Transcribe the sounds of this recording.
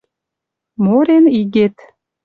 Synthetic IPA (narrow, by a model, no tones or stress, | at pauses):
moɾeniɣet̪